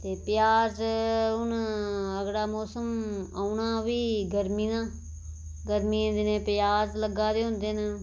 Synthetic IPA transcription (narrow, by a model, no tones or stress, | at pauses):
t̪eːpɪjaːzʊnəɡɽaːmoːsəmaːunaːʋiːɡəɾmiːnãː | ɡəɾmĩːnd̪enẽːpjaːzləɡaːd̪eːɦʊ̃nd̪eːnə